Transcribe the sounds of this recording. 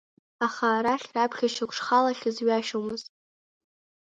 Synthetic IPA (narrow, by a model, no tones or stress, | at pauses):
aχaːɾaχʲrapʰχʲaʃakʷʂχalaχʲɪzɥaʃomɨz